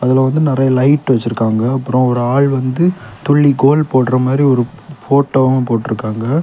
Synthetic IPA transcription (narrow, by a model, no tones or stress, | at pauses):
ɐðɪlɐʋɐnd̪ɯnɪɾɐjɐlɐɪʈːʋɐt͡ʃːɪɾɯkːaːŋɡɐɐpːɯɾɔ̃ɔɾɯaːɭʋɐnd̪ɯt̪ʊɭːiɡoːlpoːʈɾɐmaːd̪ɾiɔɾɯfoːʈːoːɐmɐpoːʈːɪɾɯkːaːŋɡɐ